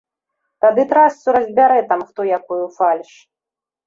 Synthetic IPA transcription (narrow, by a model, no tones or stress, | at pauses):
t̪ad̪ɨt̪ɾast̪sʲuɾɐzʲbʲaɾɛt̪amxt̪ɔjakɔjufalʲʂ